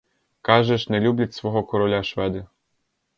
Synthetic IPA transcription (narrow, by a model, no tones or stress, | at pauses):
kɑʒɛʃnɛlʲublʲɐtʲsʋɔɦɔkɔɾɔlʲaʃʋɛd̪ɪ